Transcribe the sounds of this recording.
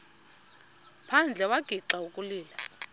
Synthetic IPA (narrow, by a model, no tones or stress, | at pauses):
pʰand͡ɮʱɛwaɡ̥ʱiǀaukʼuliːla